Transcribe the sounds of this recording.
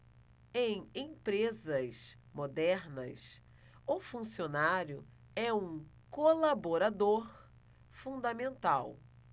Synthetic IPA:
ẽj̃ẽpɾezɐs | mod̪ɛɾnɐ̰s | ʊfũsionaɾjʊ̰ | ɛũkolaboɾad̪oɾ | fũnd̪amẽnt̪aw

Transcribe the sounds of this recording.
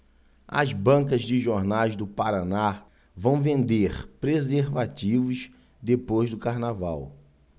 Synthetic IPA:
ɐ̰zbɐ̃kɐzd͡ʒɪʒoɾnajzd̪ʊpaɾana | vɐ̃w̃vẽnd̪eχpɾezeɾvat͡ʃivʊs | d̪epojzd̪ʊkaɾnavaw

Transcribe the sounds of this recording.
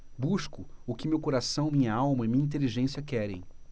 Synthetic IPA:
buʃkʊʊkɪmewkoɾasɐ̃w̃mĩɲɐawmɐimĩɲɐĩnt̪̬eliʒẽsiɐkɛɾḛ̃j̃

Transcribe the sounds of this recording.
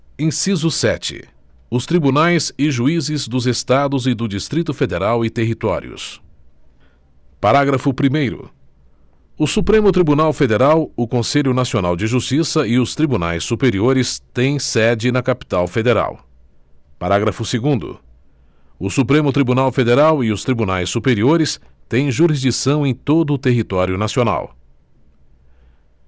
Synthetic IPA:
ẽsizʊsɛt͡ʃɪ̰ | ʊst̪ɾibunajzɪʒuizɪzd̪ʊzest̪ad̪ʊzɪd̪ʊd͡ʒist̪ɾit̪ʊfed̪eɾawɪt̪eɦit̪ɔ̰ɾḭʊ̰s | paɾaɡɾɐfʊpɾimejɾʊ̰ | ʊsupɾẽmʊt̪ɾibunawfed̪eɾawʊkõseʎʊnasiona̰wd͡ʒɪʒust͡ʃisɐɪʊst̪ɾibuna̰jsːupeɾioɾɪst̪ẽj̃sɛd͡ʒɪnɐkapi̥t̪awfed̪eɾa̰w | paɾaɡɾɐfʊseɡũnd̪ʊ̰ | ʊsupɾẽmʊt̪ɾibunawfed̪eɾawɪʊst̪ɾibunajsːupeɾioɾɪst̪ẽj̃ʒuɾizd͡ʒisɐ̃w̃ẽj̃t̪od̪ʊːt̪eɦit̪ɔɾjʊnasiona̰w

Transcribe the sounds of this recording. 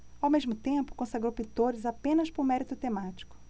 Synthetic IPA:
awmezmʊt̪ẽpʊ̥kõsaɡɾowpit̪oɾɪzapẽnɐspʊɾmɛɾit̪ʊt̪emat͡ʃi̥kʊ̥

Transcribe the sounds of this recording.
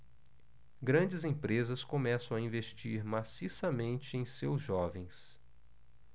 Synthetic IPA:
ɡɾɐ̃d͡ʒɪzẽpɾezɐskõmɛsɐ̃w̃aĩveʃt͡ʃiɾmasisɐmẽnt͡ʃɪẽj̃sewzʒɔvẽj̃s

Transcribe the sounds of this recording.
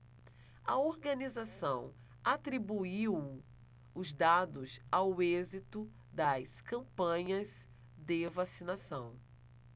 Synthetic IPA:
ɐoɾɡɐ̃nizasɐ̃w̃ | at̪ɾibuiw | ʊzd̪ad̪ʊzawezit̪ʊ | d̪ɐskɐ̃mpɐ̃ɲɐz | d̪ɪvasinasɐ̃w̃

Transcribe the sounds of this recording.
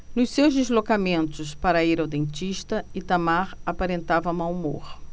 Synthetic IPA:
nʊssewzd̪ezlokamẽnt̪ʊspaɾɐiɾawd̪ẽnt͡ʃiʃt̪ɐɪt̪amaɾapaɾẽnt̪avɐmawmo̰ɾ

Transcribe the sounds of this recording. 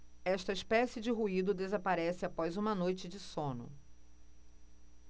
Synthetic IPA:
ɛʃt̪ɐiʃpɛsɪd͡ʒɪɦuid̪ʊd̪ezapaɾɛsɪapɔjzũmɐnojt͡ʃɪd͡ʒɪsõnʊ̰

